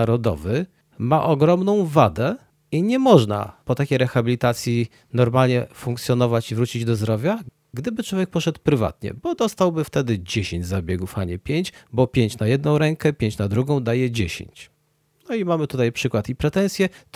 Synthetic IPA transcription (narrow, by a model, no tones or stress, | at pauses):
ɾɔd̪ɔ̰vɘ | maʔɔɡɾɔmnɔ̃w̃vad̪ɛ | iɲɛmɔʐna̰pɔt̪akʲejɾɛxabʲilʲit̪at̪sʲji | nɔɾmalɲɛfuŋkt̪sʲjɔn̪ɔvat͡ɕivɾut͡ɕid͡ʑd̪ɔzd̪ɾɔvʲja | ɡd̪ɘbɘt͡ʂwɔvʲjɛk̚pɔʂɛt̪wpɾɘva̰t̪ɲɛ̰bɔd̪ɔst̪awbɘft̪ɛd̪ɘd͡ʑeɕeɲd͡ʑzabʲjeɡufaɲɛpʲjeɲt͡ɕbɔpʲjeɲt͡ɕnajɛd̪nɔ̃w̃ɾɛŋkɛpʲjeɲt͡ɕnad̪ɾuɡɔ̃w̃d̪ajɛd͡ʑeɕḛɲt͡ɕ | nɔimamɘt̪ut̪ajpʂɘkwat̪ipɾɛt̪ɛ̃nsʲjɛ